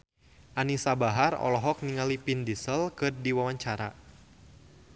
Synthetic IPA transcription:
ʔanisabaɦarɔ̰lɔɦɔk̚niŋalipindisəlkɨrdiwawaɲt͡ʃaɾa̰

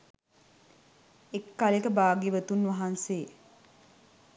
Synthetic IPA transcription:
ekːalekəbaːɡiʋət̪unʋaɦanseː

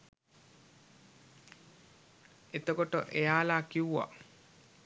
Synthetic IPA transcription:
et̪əkoʈəʔejaːlaːkiwuʋa̰

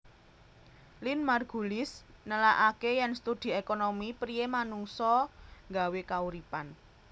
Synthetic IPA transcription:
linmarɡ̥ṳlɪsnəlaʔakejɛnst̪ud̪̥i̤ekonomipɾijemanuŋsɔŋɡa̤wekauɾipan

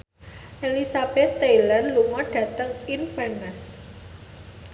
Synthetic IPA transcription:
ʔelisab̥ɛt̪ːelanluŋɔɖ̥ä̤t̪əŋinfɛnɛs

